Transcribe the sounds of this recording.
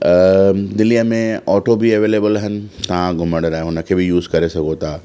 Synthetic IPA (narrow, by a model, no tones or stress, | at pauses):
əd̪ɪliəmẽɔːʈobiɐʋeːleːbəlɦɪnɪ̆t̪ɐʋ̤ãɡʱʊməɽ̃ɾaːɦẽɦʊnə̆kʰeːbɪjuːzkɐɾesɐɡʱot̪ʰaː